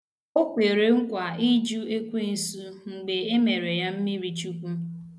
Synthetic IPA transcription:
o˦kʷe˨ɾe˨ŋ̩˦kʷa˨i˦d͡ʒu˦e˦kʷe˦n̩˨su˦ŋ͡m̩˨ɡ͡be˨e˦me˨ɾe˨ja˦m̩˦mi˦ɾi˨t͡ʃu˦kʷu˦

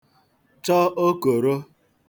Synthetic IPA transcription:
t͡ʃɔ˦o˦ko˨ɾo˦

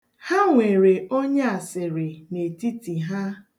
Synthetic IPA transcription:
ha˦ŋʷe˨ɾe˨ʔo˦ɲe˦a˨sɪ˨ɾɪ˨ne˨ti˦ti˨ɦa˦

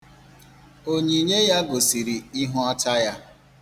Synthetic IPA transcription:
o˦ɲi˨ɲe˦ja˦ɡo˨si˨ɾi˨i˦ɦʊ˦a˦ta˦ja˦

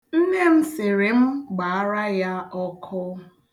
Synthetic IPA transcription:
n̩˦ne˦m̩˦sɪ˨ɾe˨m̩˦ɡ͡ba˨a˦ɾa˦ja˦ɔ˦kʰʊ˦

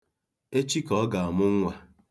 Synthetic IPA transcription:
e˦t͡ʃi˦kɔ˦ɡa˨a˨mʊ˦ŋ̩˦ŋʷa˨

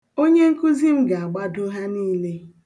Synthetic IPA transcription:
o˦ɲe˦ŋ̩˦ku˦zi˦m̩˦ɡa˨a˨ɡ͡ba˦dʊ˦ɦa˦niː˦le˦

